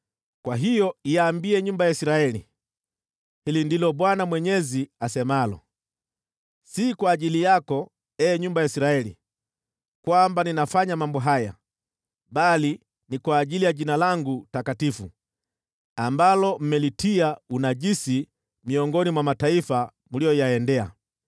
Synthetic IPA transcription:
kwaɦijɔijaːmbiɛɲumbajaisiɾaɛli | hilindilɔɓwanamwɛɲɛziasɛmalɔ̰ | sikwaːʄilijakɔ | ɛːɲumbajaisiɾaɛlḭ | kwambaninafaɲamambɔɦaja̰ | bali | nikwaːʄilijaʄinalaŋɡutakatifu | ambalɔm̩mɛlitiaunaʄisi | miɔŋɡɔnimwamataifa | mulijɔjaɛndɛa̰

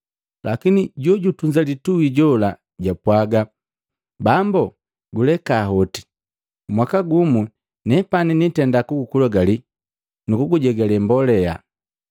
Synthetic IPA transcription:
lʔakiniɟɔɟutuɲd͡ʒalituwiɟɔla | ɟapwaɡa | bambɔ | ɡulɛkaːɦɔti̥ | mwakaɡumu | nɛpaninitɛndakuɡukulaɡali | nukuɡuɟɛɡɛlɛmbɔlɛja̰

